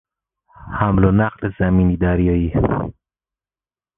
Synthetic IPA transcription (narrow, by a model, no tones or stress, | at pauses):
hæmlonæqlezæmiːniːd̪æɾjɒːi